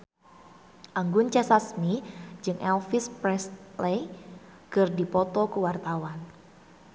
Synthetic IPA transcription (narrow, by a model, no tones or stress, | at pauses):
ʔaŋɡʊnt͡ʃɛsasmid͡ʒɨŋʔɛlfɪspɾɛsle | kɨrdipɔt̪ɔkuwart̪awan